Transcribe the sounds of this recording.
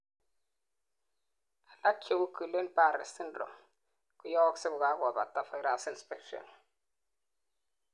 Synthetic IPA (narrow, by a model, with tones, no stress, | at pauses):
a˨la˦kʰe˨wu˦kə˨le˦npa˦˨ɾɛ̰˨si˦ndɾɔ̰˨ | ku˦jɔ˦wɔ˦ksɪ˦ɡʊ˨ɡa˦ɡɔ˨ba̰˨ta˨fa˨˦ɾa˨snspɛ˦kʃɔ̰˨n